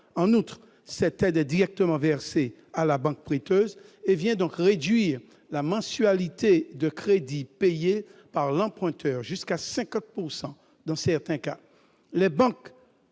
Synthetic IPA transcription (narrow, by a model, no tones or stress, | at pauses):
ɑ̃nut̪χ | sɛt̪ɛd̪ɛd̪iʁɛk̚t̪əmɑ̃vɛʁse | alabɑ̃k̚pχet̪øzevjɛ̃d̪ɔ̃kʁed̪ɥiːʁ | lamɑ̃sɥalit̪ed̪əkχed̪ipejepaʁlɑ̃pχɛ̃t̪ʰœːʁʒyskasɛ̃kɑ̃t̪̚puʁsɑ̃ | d̪ɑ̃sɛʁt̪ɛ̃ka | lɛbɑ̃k